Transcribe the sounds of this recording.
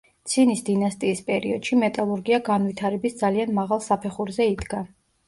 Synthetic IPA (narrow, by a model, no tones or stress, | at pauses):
t̪sʰinisd̪inast̪ʼiːspʼɛɾḭɔd̪̥ʃimɛt̪ʼalˠuɾɡiaɡanvit̪ʰaɾɛbisd̪zalianmaʁalˠsapʰɛχuɾzɛid̪ɡa